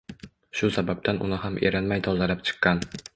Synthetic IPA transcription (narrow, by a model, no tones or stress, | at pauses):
ʃʊsabab̚t̪anʔʊ̰nɪhamʔe̞̰ɾanmajt̪ʰɒzalapt͡ʃʰɨ̥qːɑn